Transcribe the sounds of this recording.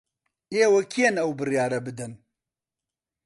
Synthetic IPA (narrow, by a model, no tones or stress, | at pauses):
eːwɐkʰijenɐwbɨrjaːɾɐbɨd̪ɨn